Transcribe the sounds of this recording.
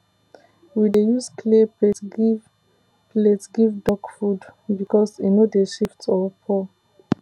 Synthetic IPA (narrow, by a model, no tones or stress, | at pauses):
widejuskʰlipetɡi | lɛtsɡivdɔkfudbikɔsinodeʃiftsɔpʰɔ